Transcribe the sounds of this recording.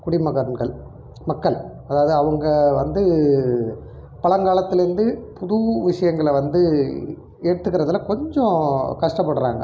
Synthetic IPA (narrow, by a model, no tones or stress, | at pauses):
kʊɽimɐɣɐɾɐnɡɐɭ | mɐkːɐɭ | ɐðaːʋɐðɯɐʋɐŋɡɐʋɐnd̪ɯ | pɐɭɐŋɡaːlɐt̪ːɪlɪɾɯnd̪ɯpʊðuʋɪʂɐjɐŋɡɐɭʋɐnd̪ɯ | eːɽɯt̪ːɯkːɪɾɐðɯlakɔɲd͡ʒɔ̃kɐʂʈɐpːɐɽɯɾa̰ːŋɡɐ̰